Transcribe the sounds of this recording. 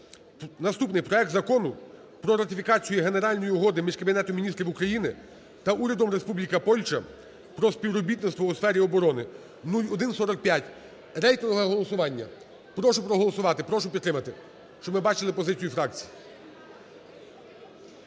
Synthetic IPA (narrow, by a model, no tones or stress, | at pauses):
nɐst̪upnɪjpɾɔɛk̚t̪zɐkɔnʊ | pɾɔɾɐt̪ɪfʲikɑt͡sʲijiɦe̞ne̞ɾɑlʲnɔjiʊɦɔd̪ɪmʲiʒkɐbʲinɛt̪ɔmʲinʲist̪ɾʲiwukɾɐjinɪ | t̪ɐʔuɾʲɐd̪ɔmɾe̞spublʲikɐpɔlʲt͡ʃɐ̰ | pɾɔsʲpʲiʋɾɔbʲit̪nɪst̪ʋɔusfɛɾʲiɔbɔɾɔnɪ | nulʲɔd̪ɪnsɔɾɐk̚pʲjatʲ | rɛjt̪ɔnɔɦɐɦɔlˠɔsʊʋɑnʲːɐ̰ | pɾɔʃʊpɾɔɦɔlˠɔsʊʋɑt̪ɪpɾɔʃʊpʲid̪ːɾɪmɐt̪ɪ | ʃt͡ʃɔbmɪbɑt͡ʃɪlˠɪpɔzɪt͡sʲijufɾɑk̚t͡sʲi̥ji